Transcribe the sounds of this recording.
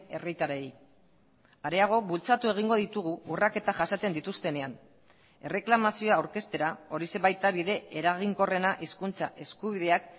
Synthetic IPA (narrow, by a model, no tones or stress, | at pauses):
e̞rit̪aɾej | aɾe̞aɣ̞o̞βult͡sat̪ue̞ɣ̞iŋɡo̞ðit̪uɣ̞uurake̞t̪aʝasat͡s̪e̞nd̪it̪ust̪e̞ne̞an | e̞re̞klamasio̞aːwɾke̞st̪e̞ɾao̞ɾise̞bajt̪aβiðe̞eɾaɣ̞iŋko̞re̞naʔiskunt͡sa̰ʔe̞skuβ̞ið̞e̞ak